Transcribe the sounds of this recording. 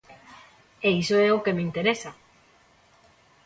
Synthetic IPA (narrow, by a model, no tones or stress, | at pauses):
eisoɛokemint̪eɾesa